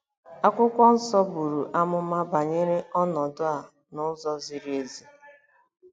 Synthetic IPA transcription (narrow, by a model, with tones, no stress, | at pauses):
a˦kʷʊ˦kʷɔ˦n̩˦sɔ˦bu˨ɾu˨ʔa˦mʊ˦ma˦ba˨ɲe˦ɾɪ˦ɔ˦nɔ˨dʊ˦a˨ | nʊ˦zɔ˦zi˨ɾi˦e˨zi˨